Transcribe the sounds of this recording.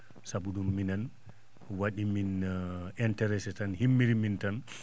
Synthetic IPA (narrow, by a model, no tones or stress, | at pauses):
sabudumːinan | waɗiminɛntɛɾɛsɛtanhimːiɾimintan